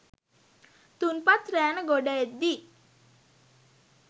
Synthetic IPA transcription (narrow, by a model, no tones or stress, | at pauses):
t̪unpat̪ɾɛnəɡoɖaed̪i